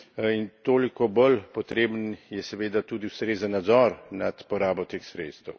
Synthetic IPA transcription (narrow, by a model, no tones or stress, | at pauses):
int̪oːlikɔbəlpɔt̪ɾeːbənjɛsɛʋeːd̪at̪uːd̪iwst̪ɾeːzənːad̪zɔɾnat̪pɔɾaːbɔt̪eːxsɾeːt̪st̪əw